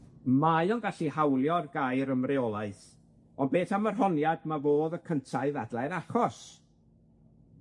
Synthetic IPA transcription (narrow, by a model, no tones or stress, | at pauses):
majɔnɡaɬihawlˠjɔrɡajɾəmrɪɔlˠaɨθ | ɔnbeːθamərɦɔnjadmavoːðəkʰəntʰaɨðadlˠɛnaχɔs